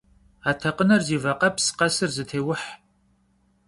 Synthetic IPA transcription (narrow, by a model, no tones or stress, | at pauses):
aːtʰɐqənɐrziːvɐqɐpʰsqɐsɨrzɨtʰeːwʊħ